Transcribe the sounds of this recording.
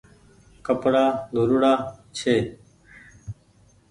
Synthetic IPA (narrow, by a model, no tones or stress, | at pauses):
kəpɽaːd̪ʱuɾuɽaːt͡ɕʰeː